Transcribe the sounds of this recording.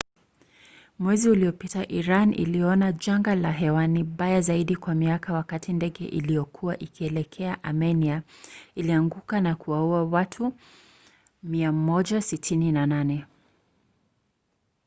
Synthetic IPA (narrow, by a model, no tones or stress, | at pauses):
mwɛziuliɔpitaʔiɾanʔḭliɔnaʄaŋɡalaɦɛwaniɓajazaiɗikwamiakawakatʰindɛɠɛ̰ʔḭliɔkʰuwaʔikiɛlɛkʰɛaʔamɛniailiaŋɡukanakuwauawatʰu | miamɔʄasitʰininananɛ